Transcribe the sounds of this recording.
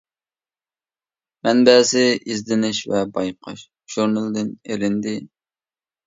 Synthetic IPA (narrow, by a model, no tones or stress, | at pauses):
mɛnbɛːzɪizd̪ɪnɪʃvɛbɑjqʰɑ̰ʃ | ʒ̥uɾnɨlˠd̪ɪnelɪnd̪ɪ